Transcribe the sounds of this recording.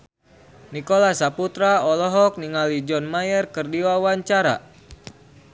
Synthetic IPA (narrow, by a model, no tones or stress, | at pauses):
nikolasaput̪ɾaɔlɔɦɔk̚niŋalid͡ʒɔnmajərkɨrdiwawaɲt͡ʃaɾa̰